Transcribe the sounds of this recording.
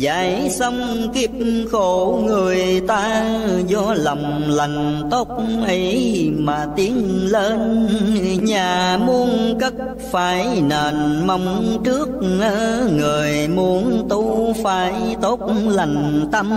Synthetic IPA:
za̰ː˨˦jsə˧wŋ͡m | ki˦˥əp̚xo˧˦ŋɨ˨˩əjt̪aː˧zɔ˧lɔ˨˩wŋ͡mla˨˩jŋ̟t̪o˦˥t̚ʔə˧˦jmaː˨˩t̪i˧˦ənleː˧n | ɲaː˨˩mu˧ənkə˦˥t̚ | faː˨˩˦jnəː˨˩nma˨˦wŋ͡mt͡ɕɨ˦˥ək̚nə˧˦ŋɨ˨˩əjmu˨˦ənt̪u˧˦faː˨˦jt̪o˦˥t̚la˨˩jŋ̟t̪ə˧m

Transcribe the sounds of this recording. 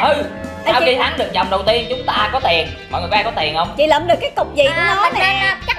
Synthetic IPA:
hɨ˨˧ | a˧aː˧ki˧t̪ʰaː˨˦˥ɗɨ˨˩ək̚zɔ˨˩wŋ͡mɗə˨˩wt̪i˧ənt͡ɕʊ˨˦ŋ͡mt̪aː˧kɔ˨˦t̪i˨˩ən | vɔ̰˨˩˨waː˧kɔ˨˦t̪i˨˩ənhə˧wŋ͡mt͡ɕi˧˨˩ləː˧˨˩mɗɨ˨˩əkːaː˨˦jt̪ʊ˨˩k͡p̚zi˨˩ku˨˧˨nɔ˨˦n˨˩t͡ɕ

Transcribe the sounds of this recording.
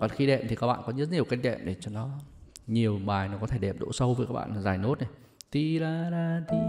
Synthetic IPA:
ɔ˨˩nxi˧ɗɛ̰˧˨mt̪i˨˩a˦k̚ɓa̰ː˧˨kɔ˨˦ɲ̚˨˦ɲi˨˩əwka˧jŋ̟ɗɛ̰˧˨mɗe˧˩t͡ɕɔ˧nɔ˨˦ɲi˨˩əwɓaː˨˩jnɔ˨˦kɔ˨˦t̪ʰe˧˩ɗɛ˨˩p̚ɗo̰˧˥sə˧wvəː˨˦jkaː˦˥ɓa̰ː˧˨˩zaː˨˩jno˦˥t̚ne˨˩ | t̪i˧laː˧laː˧t̪i˧

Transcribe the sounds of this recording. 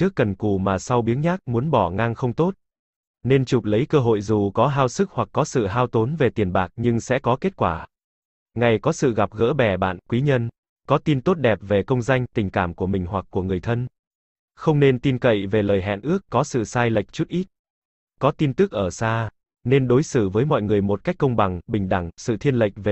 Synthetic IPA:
t͡ɕɨ˦˥əkːə˨˩nku˧˨˩maː˨˩sa˧wɓi˨˦ənɲaː˦˥k̚mu˨˦ənɓɔ˧˩ŋaː˧ŋxə˧wŋ͡mt̪o˦˥t̚ | ne˧nt͡ɕu˨˩k͡p̚lə˨˦jkəː˧ɦo̰˧˨jzu˨˩kɔ˨˦ɦaː˧wsɨ˦˥k̚hwa˨˩kːɔ˨˦sɨ̰˧˨ɦaː˧wt̪o˨˦nve˨˩t̪i˨˩ənɓaː˨˩k̚ɲɨ˧ŋsɛ̰˧˥kɔ˨˦ke˦˥t̚kwaː˧˩ | ŋa˨˩jkɔ˨˦sɨ̰˧˨ɣa˨˩p̚ɣə̰ː˧˥ɓɛ˨˩ɓa̰ː˧˨nkwi˨˦ɲə˧n | kɔ˨˦t̪i˧nt̪o˦˥t̚ɗɛ˨˩p̚ve˨˩kə˧wŋ͡mza˧jŋ̟t̪ï˨˩ŋ̟kaː˧˩mku˧˩əmï˨˩ŋ̟hwa˨˩k̚kːu˧˩əŋɨ˨˩əjt̪ʰə˧n | xə˧wŋ͡mne˧nt̪i˧nkə̰˧˨jve˨˩ləː˨˩jɦɛ̰˧˨nʔɨ˦˥əkːɔ˨˦sɨ̰˧˨saː˧jlə̰˨˩jk̚t͡ɕu˦˥t̚ʔi˦˥t̚ | kɔ˨˦t̪i˧nt̪ɨ˦˥k̚ʔəː˧˩saː˧ | ne˧nɗo˨˦jsɨ˧˩vəː˨˦jmɔ̰˧˨jŋɨ˨˩əjmo˨˩t̚ka˦˥jk̚kːə˧wŋ͡mɓa˨˩ŋɓï˨˩ŋ̟ɗa̰˧˩ŋsɨ̰˧˨t̪ʰi˧ənlə̰˨˩jk̟̚ve˨˩

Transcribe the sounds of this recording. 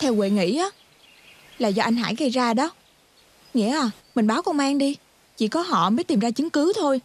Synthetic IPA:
t̪ʰɛ˧wɣwe˨˩ŋḭ˧˥ʔaː˨˦ | laː˨˩zɔ˧ʔa˧jŋ̟ɦa̰ː˧˥˩jɣə˧jzaː˧ɗɔ˨˦ | ŋḭ˧˥əʔaː˨˩mï˨˩ŋ̟ɓaː˨˦wkɔ˧ŋ͡mmaː˧ŋɗi˧ | t͡ɕḭ˧˨kɔ˨˦ɦɔ̰˧˨məː˨˦jt̪i˨˩mzaː˧t͡ɕɨ˨˦ŋkɨ˨˦t̪ʰo˧j

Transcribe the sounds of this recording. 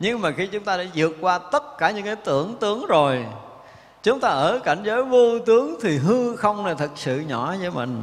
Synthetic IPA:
ɲɨ˧ŋmaː˨˩xi˧t͡ɕʊ˨˦ŋ͡mt̪aː˧ɗa̰ː˧˥zɨ˨˩ək̚kːwaː˧t̪ə˦˥t̚kaː˧˩ɲɨ̰˧˥ŋkaː˨˦jt̪ɨ˧˩əŋt̪ɨ˨˦əŋzo˨˩j | t͡ɕʊ˨˦ŋ͡mt̪aː˧ʔəː˧˩ka˧˩jŋ̟zəː˨˦jvo˧t̪ɨ˨˦əŋt̪ʰi˨˩ɦɨ˧xə˧wŋ͡mna˨˩t̪ʰə˨˩t̚sɨ̰˧˨ɲɔ˧˩˦zəː˨˦jmï˨˩ŋ̟

